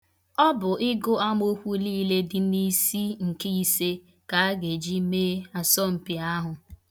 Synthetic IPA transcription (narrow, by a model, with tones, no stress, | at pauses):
ɔ˦bʊ˨ʔɪ˦ɡʊ˦a˦mo˦kʷu˦liː˦le˦dɪ˨ni˦si˦ŋ̩˨ke˦i˦se˦ | ka˨a˦ɡe˨d͡ʒi˦meː˦a˨sɔ˦m̩˨pi˨a˦ɦʊ˨